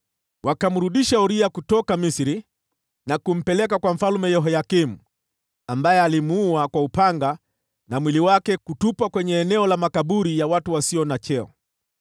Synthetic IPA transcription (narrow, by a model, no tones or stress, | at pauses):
wakam̩ɾuɗiʃauɾiakutɔkamisiɾi | nakum̩pɛlɛk̬akwam̩falumɛjɔɦɔjakim̩ | ambajɛalimuuakwaupaŋɡa | namwiliwakɛkutupwakwɛɲɛːnɛɔlamakaɓuɾijawatuwasiɔnat͡ʃɛɔ̰